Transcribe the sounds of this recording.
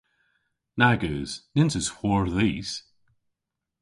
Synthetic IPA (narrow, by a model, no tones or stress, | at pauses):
naɡəːz̥nɪ̃nsəz̥hɔɹðiːz̥